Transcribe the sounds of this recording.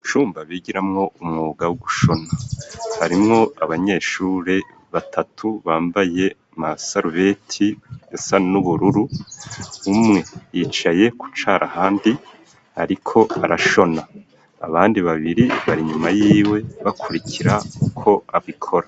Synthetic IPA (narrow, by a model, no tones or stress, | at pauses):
t͡ʃuːmbaβiɟiɾamŋo̞ʔumŋoːɡawuɡuʃo̞nahaɾimŋo̞aβaɲe̞ʃuːɾe̞ | βatʰatʰuβaːmbaje̞ | masaɾvetʰijasanuβuɾuɾu | umŋe̞jit͡ʃaje̞ku̥t͡ʃaɾʔahaːndi | a̰ɾikʰo̞aɾaʃo̞na | a̰βaːndiβaβiɾiβaɾiɲumajiiːwe̞βakʰuɾikʰiɾaukʰo̞aβikʰo̞ɾa